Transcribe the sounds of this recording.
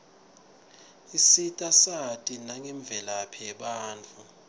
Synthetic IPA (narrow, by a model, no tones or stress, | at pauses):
isitʼasatʼinaŋɛɱb̪vʱɛlapʰɛɓaːnt͡fʰʼu